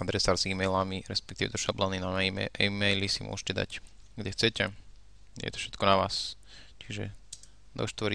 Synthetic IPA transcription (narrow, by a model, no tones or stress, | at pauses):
ad̪ɾɛsaːɾziːmɛjlamiɾɛspɛk̚t̪iːʋɛ̰d̪ɔʃablaninaɛʔiːmɛjlisimʊ̰ʔɔ̰ʒɛcɛd̪a̰cɡɟɛxt͡sɛcɛ | ɛ̰jɛ̰t̪ɔ̥fʃɛt̪kɔnaʋaːs | t͡ʃiʒɛ̰ | d̪ɔ̰ʃt̪ʋɔɾi